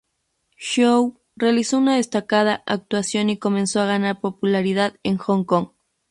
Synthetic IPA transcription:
ʃow | realisounaðe̞st̪akað̞aʔak̚t̪wasjo̞niko̞mẽnsoaɣanaɾpo̞pulaɾiðaðeŋxoŋko̞ŋ

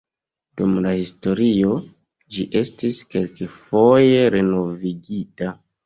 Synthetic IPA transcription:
d̥umlahisto̞ɾio̞ | d͡ʒiʔe̞stiske̞lkefoje̞ɾe̞no̞viɡita

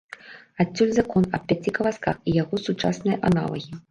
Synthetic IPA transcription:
atʲːulʲzakɔnɐp̚ʲpʲat͡sʲikɐlaska̰xijaɣɔsut͡ʂa̰snɨjɐʔana̰lˠɐ̰ɣʲi

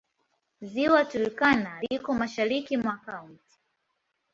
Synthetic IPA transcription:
ziwatulikanalikɔmaʃaɾikimwaːkaunti̥

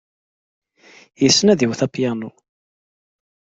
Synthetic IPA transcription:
jəsːnæðiwθæpjanu

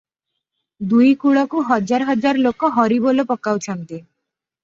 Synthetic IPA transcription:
d̪ujkuɭɔkuɦɔd͡ʒaɾɦɔd͡ʒaɾlokːɔɦɔɾibolopɔkːawt͡ʃʰɔnt̪i

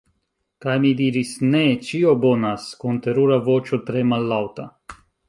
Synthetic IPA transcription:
kajmid̪iɾisnet͡ʃiobonaskunt̪e̞ɾuɾavot͡ʃot̪ɾemalːawt̪a

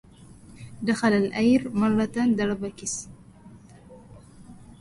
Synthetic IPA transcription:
d̪əxalalʔajɾmalat̪and̪aɽabakis

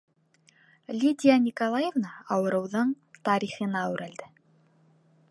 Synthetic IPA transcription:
lʲid̪ʲianʲikolˠajevnaːwɤ̆ɾɤ̆wðɤɴ | t̪ɑɾiχɤ̆nɑwɾæld̪ɘ

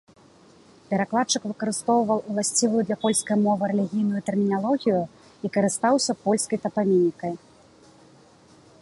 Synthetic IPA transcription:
pʲɛɾaklˠat̪̚t͡ʂɨkvɨkɐɾɨst̪ɔwvɐw̪ˠulˠasʲt͡sʲivujud̪lʲɐpɔlʲskɐjmɔvɨɾɛlʲiɣʲijnujut̪ɛrmʲinalˠɔɣʲiju | ikɐɾɨst̪awsʲɐpɔlʲskɐjt̪ɐpamʲinʲːikɐj

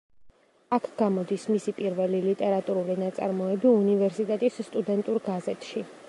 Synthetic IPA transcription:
akʰɡ̥amɔd̪ismisipʼiɾvɛlilit̪ʼɛɾat̪ʼuɾulinat̪sʼa̰ɾmɔɛbiunivɛɾsit̪ʼɛt̪ʼisːt̪ʼud̪ɛnt̪ʼuɾɡazɛt̪ʰʼʃi

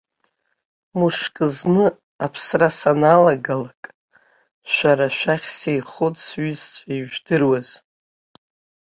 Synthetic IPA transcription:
muʂkʼɨznɨ | apʰsrasanalaɡalakʼ | ʃʷaɾaʃʷᶣaχʲsejχotʼsɥizt͡ʃʷʰʼaiʒᶣdɨrwaz̥

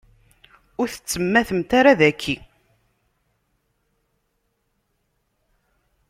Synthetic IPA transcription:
ʊɾθə̥t͡sːəmːæθəmt̪aɾaðækʰːi

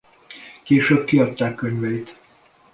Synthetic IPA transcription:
keːʃøːb̚kiɒt̪ːaːkːøɲvɛit̪

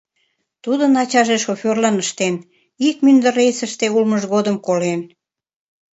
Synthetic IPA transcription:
t̪ud̪ənɑt͡ɕɑʒeʃofʲørlɑnəʃt̪en | ikmynd̪ə̆rejsəʃt̪eulməʒɣod̪əmkolen

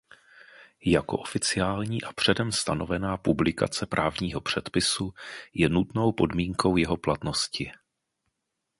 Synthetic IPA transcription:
jako̞̰ʔo̞fɪt͡sɪaːlɲiːʔapr̝̥ɛdɛmst̪ano̞vɛnaːpublɪka̰t͡sɛpɾʔaːvɲiːɦo̞pr̝̥ɛt̪pɪsujɛnut̪no̞wpo̞dmiːŋko̞wjɛɦo̞plat̪no̞scɪ

